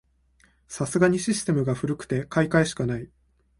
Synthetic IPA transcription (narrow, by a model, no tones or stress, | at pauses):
sasɨɡaɲ̟iɕisɨ̥t̪e̞mɯ̟ɡaɸɯ̟ɾɯ̟kɯ̟̥t̪e̞kaikaeɕi̥kanai